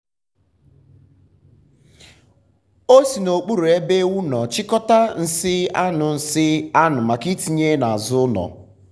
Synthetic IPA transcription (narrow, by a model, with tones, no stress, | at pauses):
o˦si˨no˨k͡pu˦ɾu˨e˦be˦wu˦nɔ˨t͡ʃɪ˦kɔ˦ta˦n̩˨sɪ˦a˦nʊ˨n̩˨sɪ˦a˦nʊ˨ma˨ki˦ti˨ɲe˦na˨a˨zʊ˦nɔ̰˨